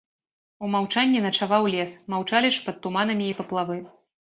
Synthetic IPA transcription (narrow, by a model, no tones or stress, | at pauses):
umawt͡ʂanʲːinɐt͡ʂavawlʲɛsmawt͡ʂalʲiʂpɐt̪t̪ːumanɐmʲiːpɐplˠavɨ